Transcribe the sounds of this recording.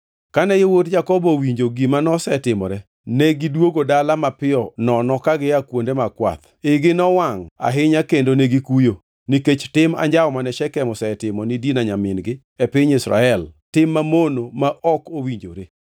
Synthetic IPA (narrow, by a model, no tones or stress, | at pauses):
kanɛjewotd͡ʒakɔbɔwiɲd͡ʒoɡimanɔsɛtɪmɔ̰ɾɛ | nɛɡidwoɡodalamapɪɔnɔnɔkaɡɪakwondemakwa̰t̪ | ɪɡɪnɔwaŋa̰ɦɪɲakendonɛɡikujo | niket͡ʃtɪma̰ɲd͡ʒaɔmanɛʃɛkɛmɔsɛtɪmɔnidinaɲamɪnɡɪ | ɛpɪɲisɾa̰ɛltɪmːamonomaʔɔkowiɲd͡ʒo̰ɾe